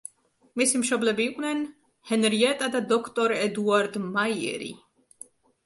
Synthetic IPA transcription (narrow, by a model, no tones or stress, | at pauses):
misimʃɔblɛbiːqʼnɛn | hɛnɾiɛt̪ʼad̪ad̪ɔkʰt̪ʼɔɾɛd̪uaɾd̪majɛ̰ɾḭ